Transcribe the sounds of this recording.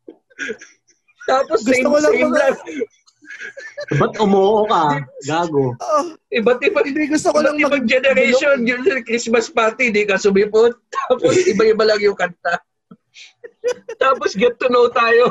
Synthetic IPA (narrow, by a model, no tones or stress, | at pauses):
t̪aːposjlɐ | ɪbɐt̪̚ʊmoːʔokɐɡaːɡoʔɪbɐt̪̚ʔɪbaŋɡʊst̪obat̪ɪbaŋd͡ʒɛnɛɾɐjʃonjʊnsɐkɾismɐspaɾt̪id̪ikɐsʊmɪpʊt̪̚t̪aːposʔɪbaɪbɐlɐŋjʊŋkɐnt̪a | t̪aːposɡɛt̪ːʊnot̪aːjo